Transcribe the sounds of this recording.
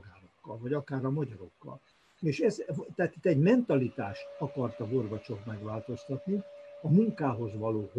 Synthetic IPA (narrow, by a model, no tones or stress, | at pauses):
ɡaːlokːɒlvɒɟɒkaːɾɒmɒɟɒɾo̞kːɒ̰l | eːʃɛzt̪ɛɦaːt̪it̪ːɛɟmɛnt̪ɒlit̪aːʃt̪ɒkɒrt̪ɒborvɒt͡ʃo̞t̪mɛɡʋaːlt̪o̞st̪ɒt̪niɒmuŋkaːɦo̞zʋɒloːɦ